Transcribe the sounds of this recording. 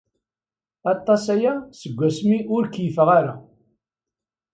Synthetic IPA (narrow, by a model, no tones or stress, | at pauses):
ɑt̪ˤːɑsæjæsəɡʷːæsmiʔʊɾkjəfəʁaɾa